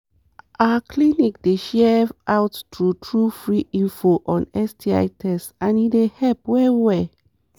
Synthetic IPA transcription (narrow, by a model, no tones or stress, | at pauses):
ʔaəkʰlinikdeʃɛvʔawttɹutʰɹufɹiʔĩnfoʔɔ̃nɛstʰia̰ɪtʰɛstãnidehɛlp̚wɛwɛ